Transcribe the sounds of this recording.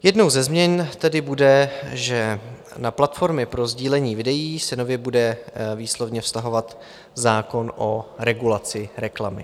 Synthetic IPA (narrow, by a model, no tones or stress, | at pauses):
jɛdno̞wzɛzmɲɛnt̪ɛdɪbudɛʒɛ | naplat̪fo̞ɾmɪpɾo̞zɟiːlɛɲiːvɪdɛjiːsɛnovjɛbudɛviːslo̞vɲɛfst̪aɦo̞vat̪ | zaːko̞nʔo̞ɾɛɡulat͡sɪɾɛklamɪ̰